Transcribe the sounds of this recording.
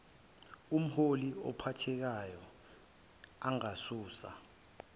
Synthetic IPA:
um̩holiɔ̰pʰatʰɛk̬ajɔ | aŋasuːsa̰

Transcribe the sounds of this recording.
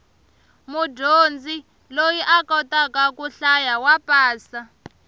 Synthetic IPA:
mudond͡zʱi | lojiʔakɔtʼakakuɬajawapʼaːsa

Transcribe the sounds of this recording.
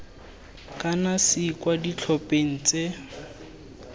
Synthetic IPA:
kʼanasikʼwadit͡ɬʰɔpʼeŋ̩t͡se

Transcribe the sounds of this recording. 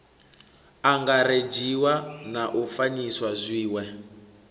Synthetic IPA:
aŋɡaɾed͡ʒiwanaʔufaɲiswazʷiːwɛ

